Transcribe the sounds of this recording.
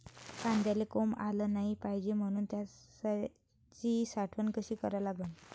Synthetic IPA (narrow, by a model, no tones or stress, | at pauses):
kand̪jalekomaləːnaɦipajd͡ʑem̤əɽ̃uːnt̪jasa | t͡ɕisaʈʰʋənkəɕiːkəɾalaɡun